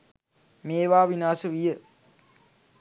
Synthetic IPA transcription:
meːʋaːʋinaːsəʋijə

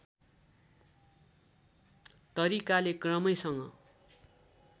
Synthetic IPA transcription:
t̪ʌɾikalekrʌmʌjsʌŋɡʌ̰

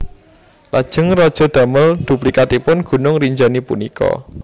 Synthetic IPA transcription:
lad̥ʒ̥ə̤ŋrɔd̥ʒ̥ɔ̤d̪̥a̤məld̪̥ṳplikat̪ipʊnɡ̥ṳnʊŋriɲd͡ʒanipṵnikɔ̰

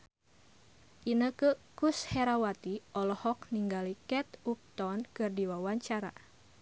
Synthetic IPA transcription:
ʔinəkəkushɛɾawat̪iʔɔlɔhɔk̚niŋɡalikɛt̪up̚t̪ɔnkɨrdiwawaɲt͡ʃaɾa̰

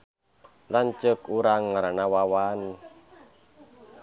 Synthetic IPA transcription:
lant͡ʃəkuɾaŋːaɾanawawan

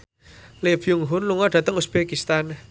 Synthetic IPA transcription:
lefjuŋɦʊnluŋɔɖ̥ä̤t̪əŋusb̥ekist̪an

